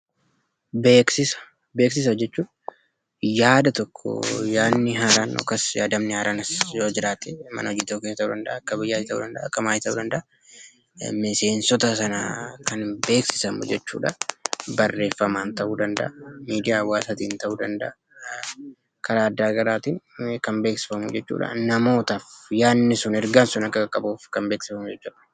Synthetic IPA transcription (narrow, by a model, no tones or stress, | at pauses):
beːksɪsɐ̥ | beːksɪs̬ɐd͡ʒɛt͡ʃːuːᶑ | jaːd̪ɐt̪ɔkʰːɔ̰jaːnːɪɦaːɾaːnɔ̰kːɐsjaːd̪ɐmnɪhaːɾʔaːnɐsjoːd͡ʒɪɾaːt̪ɪmɐ̰nɐɔd͡ʒiːt̪okeːst̪ɐʔuːd̪ɐnd̪ɐʔɐkːɐbɪjːaːɪt̪ɐʔṵːd̪ɐnd̪ɐʔːkːɐmaːjt̪ɐʔuːd̪ɐnd̪ɐʔɐ | mɪse̞ːnsɔt̪ɐsɐnakɐnbe̞ːksɪ̥sɐmʊ̰d͡ʒɛt͡ʃːṵːᶑɐbɐrːe̞ːfːɐmaːnt̪ɐʔuːd̪ɐnd̪ɐ̰ʔɐmiːd̪ɪjaːwaːsat̪iːnt̪ɐʔuːd̪ɐnd̪ɐʔɐ | kʰɐɾaːɐd̪ːaːɡɐɾaːt̪iːnkɐmbe̞ːksɪ̥fɐmṵd͡ʒɛt͡ʃːṵːᶑɐ̰nɐmo̞ːt̪ɐfjaːnːɪsʊnɛɾɡɐnsʊnɐkːɐɡɐkʼːɐbuːfkɐmbe̞ːksɪfɐmʊd͡ʒɛt͡ʃːuːᶑɐ